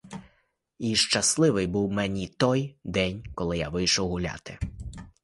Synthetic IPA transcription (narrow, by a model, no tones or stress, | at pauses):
iʃt͡ʃɐslˠɪʋɪjbuwmɛnʲit̪ɔjd̪ɛnʲkɔlˠɪja̰ʋɪjʃɔwɦʊlʲa̰t̪ɪ̥